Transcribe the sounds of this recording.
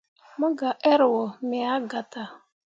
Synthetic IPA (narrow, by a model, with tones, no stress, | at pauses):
mʊ˦ɡa˨ʔe˦ɾʊ˨wɔ˨mɪ˨a˦ɡa˨ta˨